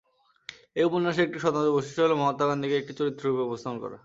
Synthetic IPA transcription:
euponːaʃ̬eek̚ʈiʃɔt̪and̪oboʃiʃoɦolemɔmot̪ːaɡand̪ʱikeek̚ʈit͡ɕoɾit̪ːɾoɾubeɔbost̪ʰaonkɔ̰ɾa̰

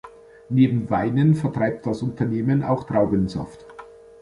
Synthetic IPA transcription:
neːbm̩vaɪnənfɛɐtʁ̥aɪp̚t̚d̥asʊntʰɐneːmənʔa̰ʊxtʁ̥aʊɡənzɔ̰ft

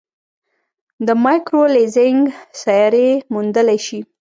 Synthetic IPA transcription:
d̪əmajkɾolezɪŋɡsajɑɾemund̪əlajʃi

